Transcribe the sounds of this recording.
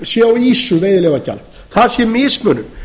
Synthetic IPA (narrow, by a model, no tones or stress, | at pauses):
sjɛwiːsʏveːjðɪlevaca̰lt̪ | θaðsjɛmɪːsmœːnʏm